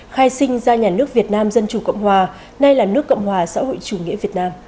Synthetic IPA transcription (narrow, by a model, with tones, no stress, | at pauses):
xaː˧jsï˧ŋ̟zaː˧ɲaː˨˩nɨ˦˥ək̚vi˨˩ət̚naː˧mzə˧nt͡ɕu˨˩kə̰˧˨wŋ͡mhwaː˨˩ | na˧jlaː˨˩nɨ˦˥əkːə̰˧˨wŋ͡mhwaː˨˩sa̰ː˧˥ho̰˧˨jt͡ɕu˨˩ŋḭ˧˥əvi˨˩ət̚naː˧m